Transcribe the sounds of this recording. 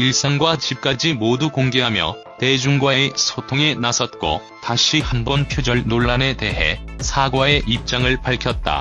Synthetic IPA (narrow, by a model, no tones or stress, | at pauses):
iɭs͈aŋɡwat͡ɕip̚k͈ad͡ʑimodukoŋɡe̞ɦamjʌ̰ | te̞d͡ʑuŋɡwaaesʰotʰoŋenasʰʌt̚k͈o̰ | taɕʰihanbʌnpʰjod͡ʑʌɭnoɭːane̞te̞ɦe̞̰sʰaɡwae̞ʔip̚t͡ɕ͈aŋɯɭpaɭkʰjʌt̚t͈a̰